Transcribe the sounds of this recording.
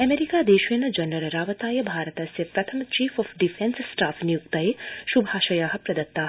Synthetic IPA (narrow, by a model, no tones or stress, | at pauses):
ɐmeɾikaːd̪eːʃʋeːnɐd͡ʒɐnɐɾɐɾaːʋɐt̪aːjɐbʱaːɾɐt̪ɐsepɾɐt̪ʰɐmt͡ʃiːfʰɔːfɖifʰensːʈaːfʰnijukt̪ɐeʃubʱaːʃɐjaːɦɐ̆pɾɐd̪ɐt̪ːaː